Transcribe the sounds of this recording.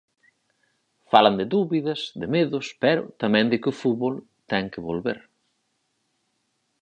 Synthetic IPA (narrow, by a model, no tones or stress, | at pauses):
falɐnd̪ɪðuβiðɐsd̪ɪmeðʊspɛɾʊ̰t̪ɐmɛ̃ŋd̪ɪkɪʊfutβol | t̪ɛŋkɪβolβeɾ